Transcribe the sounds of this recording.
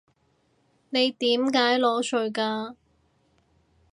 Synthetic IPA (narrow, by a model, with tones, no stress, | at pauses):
ne˨˧jt̪iː˨˥mkaː˨˥jlɔː˨˧˥t͡ʃɵ˨˧ɥkaː˧